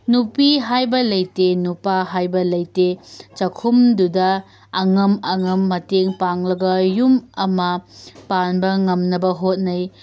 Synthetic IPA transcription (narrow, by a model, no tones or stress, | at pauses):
nupiɦajbɐlɐjtenupaɦajbɐlɐjtet͡ʃɐkʰumdudɐː | ŋɐmɐŋɐmːɐteŋpaŋlɐɡɐjumɐmɐpanbɐŋɐmnɐbɐɦot̚nɐj